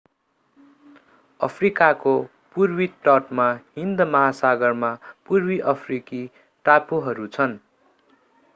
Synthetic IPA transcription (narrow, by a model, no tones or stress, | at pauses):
ʌ̰pʰrikako | purwiʈʌʈmaɦind̪ʌmʌɦasaɡʌrmapurwiʔʌpʰriki | ʈapoɦʌɾut͡sʰʌn